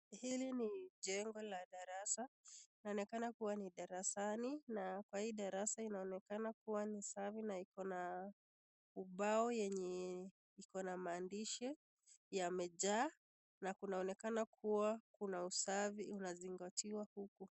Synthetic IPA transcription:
hiliniʄɛŋɡɔlaɗaɾasainaɔnɛkanakuwaniɗaɾasaninakwahiːɗaɾasainaɔnɛkanakuwanisavinaikɔna | uɓaɔjɛɲɛ | ikɔnamaːndiʃɛ | jamɛʄaː | nakunaɔnɛkanakʰuwakunausaviunaziŋɡatiwahuku

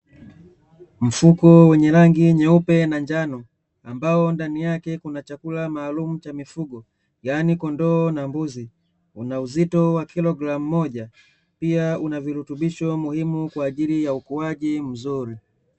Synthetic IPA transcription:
m̩fukɔwɛɲɛɾaŋɡiɲɛupɛnaɲd͡ʒanɔ | ambaɔndanijakɛkunat͡ʃakulamaːlum̩t͡ʃamifuɡɔ | ɡanikɔndɔːnambuzi | ṵnauzitɔwakilɔɡɾam̩ːɔʄa | piaunaviɾutuɓiʃɔmuhimukwaːʄilijaukuwaʄim̩zuɾi

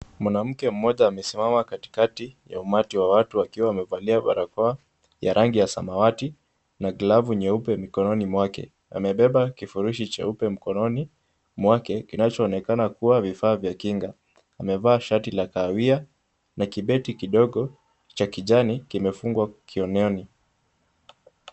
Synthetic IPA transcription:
mwanam̩kɛm̩mɔʄaːmɛsimamakati̥katija̰umatiwawatuakiwaːmɛvaliaɓa̰ɾakɔa | ja̰ɾʔaŋɡijasa̰mawati | naɡlavuɲɛupɛmikɔnɔnimwakɛ̰ | a̰mɛɓɛɓakifuɾuʃit͡ʃɛ̰upɛm̩kɔnɔni | mwakɛkinat͡ʃɔːnɛkanakuwavifaːvjakiŋɡaː | mɛvaːʃatilakawia | nakiɓɛtikiɗɔɠɔ | t͡ʃakiʄanikimɛfuŋɡwakʰiɔnɔni

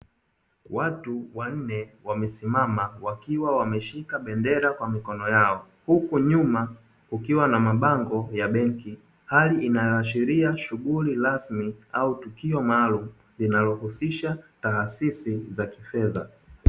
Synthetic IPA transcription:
watuwan̩nɛwamɛsimamawakiwawamɛʃikaɓɛndɛɾakwamikɔnɔjaɔ | hukuɲuma | kukiwanamaɓaŋɡɔjaɓɛŋki | haliʔinajɔaʃiɾiaʃuɠuliɾasmiautukiɔmaːlum̩ | linalɔhusiʃataɦsisizakifɛða

